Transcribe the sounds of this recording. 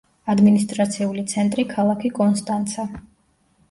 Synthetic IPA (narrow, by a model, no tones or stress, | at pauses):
ad̪minist̪ʼɾat̪sʰiulit̪sʰɛnt̪ʼɾikʰalˠakʰikʼɔnst̪ʼant̪sʰa